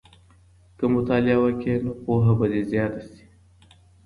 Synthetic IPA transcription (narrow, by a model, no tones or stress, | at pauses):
kəmʊt̪ɑːlɪawakenopoɦabad̪ezjɑːt̪asi̥